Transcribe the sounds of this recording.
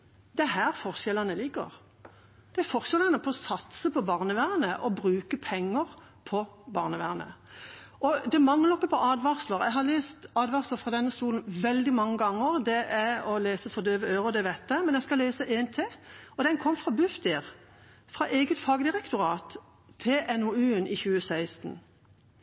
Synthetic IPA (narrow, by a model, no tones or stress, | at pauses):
d̪ɛɦæːɾfɔʁʃɛlɑnəlɪɡə̰ʁ | d̪̥ɛæɾfɔɾʃɛlənəpʰɔɔsɑt̪səpʰɔbɑːʁnəʋæːʁnəʔɔbɾʉːkəpʰɛŋːəɾ | pʰɔbɑːʁnəʋæʁnə̰ʔɔd̪ɛmɑŋləɔkːəpʰɔʔɑːd̪ʋɑʁsləɾæ̰ɪɦɑʁleːst̪ɑːd̪ʋɑʁsləfɾɑd̪ɛnːəst̪uːln̩ʋɛld̪ɪmɑŋːəɡɑŋːəʁd̪ɛʔæɔleːsəfɔd̪øːʋəøːʁʊd̪ɛʋɛt̪ːəmɛnjæskɑleːsəʔeːnt̪ʰeːɔd̪ɛnkʰɔmːfʁɑbʉft̪iːʁ | fʁɑʔeːɡət̪fɑːɡəd̪ɪʁɛkt̪ʊʁɑːt̪ʰː | ɪlʔɛnɔʉːnɪçʉːəsæɪst̪n̩